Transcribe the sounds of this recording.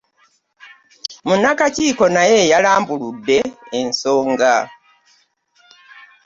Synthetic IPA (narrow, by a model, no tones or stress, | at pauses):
munːakaciːko̞naje̞jalaːmbuludːe̞ːnso̞ːŋɡa